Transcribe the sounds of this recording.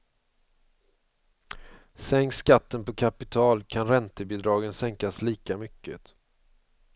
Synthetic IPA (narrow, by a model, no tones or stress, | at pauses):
sɛŋkskat̪ːənpɔkʰapɪt̪ʰɑːlkʰanɾɛnt̪əbɪd̪ɾɑːɡənsɛŋkasliːkamʏkːə̰t̪